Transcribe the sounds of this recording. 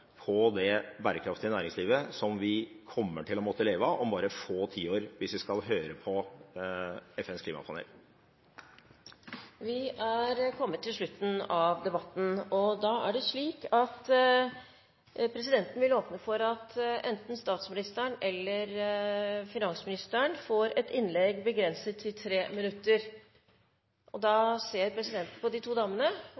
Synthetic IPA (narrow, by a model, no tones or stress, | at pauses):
pʰɔd̪ɛbæːɾəkʰɾɑft̪ɪnæːɾɪŋsliːʋəsɔmʋɪkʰɔmːə̰ʈʰɪlɔmɔt̪ʰːəleːʋəʔɔmbɑːɾəfoːt̪ʰiːoːɾʋɪsʋɪskɑlɦøːɾəpʰɔ | ɛfɛnskʰliːmɑ̰pʰɑnɛ̰ːl | ʋɪæɾkʰɔmːət̪ʰːɪlʂɭʉt̪ːn̩ɑʋd̪ɛbɑt̪ːn̩ɔd̪ɑːæ̰ɖɛʂɭiːkɑt̪ | pʰɾɛsɪd̪ɛnt̪n̩ʋɪloːpnəfɔɾɑt̪ʔɛnt̪n̩st̪ɑːt̪smɪnɪst̪əɳɛlːəɾ | fɪnɑnsəmɪnɪst̪əɳfoːɾɛt̪ɪnlɛɡbəɡɾɛnsət̪ʰːɪlt̪ʰɾeːmɪnʉt̪ːəɾ | ʔɔd̪ɑːseːɾpʰɾɛsɪd̪ɛnt̪n̩pɔd̪ɪt̪ʰuːd̪ɑːmːənə